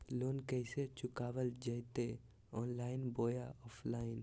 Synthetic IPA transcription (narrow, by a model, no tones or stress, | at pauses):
loːnkɛɪset͡ʃʊkaːʋəld͡ʒəjt̪e | ɔːnlaːɪnboːjaɔːpʰlaːɪn